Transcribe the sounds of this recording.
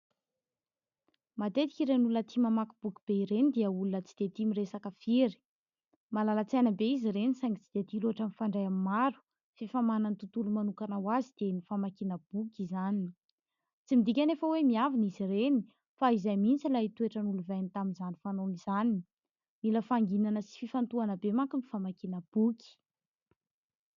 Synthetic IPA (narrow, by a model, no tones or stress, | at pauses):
mat̪et̪i̥kʲiɾenulunət̪ʰimamakib̥ukib̥eiɾenid̪iəulunət͡si̥d̪̥et̪imiresakəfiɾi̥ | malalat͡sajnəbeizirenisaŋit͡sid̪̥eət̪iluaʈ͡ʂənifaɳɖ͡ʐajamimaɾu̥ | fifamananit̪ut̪ulumanukanawazid̪̥enifamakinəb̥ukizanini | t͡simid̪ikʲanefəwemiavinizireni | faizajmint͡silait̪ueʈ͡ʂənuluvajnit̪aminzanifanoniz̥anini | miləfaŋɡinanəsi̥fifant̪uanəbemaŋkunifamakinəb̥ukʲi̥